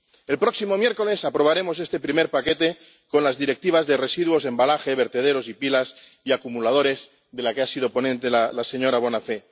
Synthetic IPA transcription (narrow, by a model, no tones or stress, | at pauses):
e̞lpɾo̞ksimo̞mje̞ɾko̞le̞sapɾo̞β̞aɾemo̞s̬e̞st̪e̞pɾime̞ɾpake̞t̪e̞ | ko̞nlazðiɾe̞k̚t̪iβ̞azðe̞re̞siðwo̞se̞mbalaxe̞βe̞ɾt̪e̞ð̞e̞ɾosipilas | iakumulað̞o̞ɾe̞z | ðe̞lakeasið̞o̞po̞nẽnt̪e̞lalase̞ɲo̞ɾaβ̞o̞nafe̞